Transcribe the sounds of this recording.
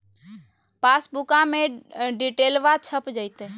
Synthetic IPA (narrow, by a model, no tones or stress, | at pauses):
paːsbukãmẽɖiʈeːlʋat͡ʃʰəpd͡ʒəɪt̪e